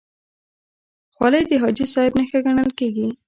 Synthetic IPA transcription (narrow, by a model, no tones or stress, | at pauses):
xwaləjd̪əɦɑd͡ʒisɑhɪbnəxaɡaɳəlkeɡi